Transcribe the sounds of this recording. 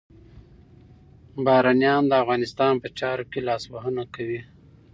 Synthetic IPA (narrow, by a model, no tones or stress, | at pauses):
bɑɾɑnjɑnd̪əafɣɑnɪst̪ɑnpət͡ʃɑɾokelɑswaɦənakawi